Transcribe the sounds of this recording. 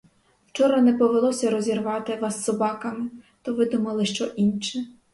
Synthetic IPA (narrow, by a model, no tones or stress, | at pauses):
wt͡ʃɔɾɐnɛpɔʋelˠɔsʲɐɾɔzʲirʋɑt̪ɪʋɑsːɔbɑkɐmɪt̪ɔʋɪd̪umɐlˠɪʃt͡ʃɔʔinʃɛ